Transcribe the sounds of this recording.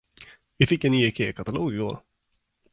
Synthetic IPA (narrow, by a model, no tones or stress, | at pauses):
vɪfɪkːɛniːɛkʰeːkʰat̪aloːɡɪɡo̰ːɾ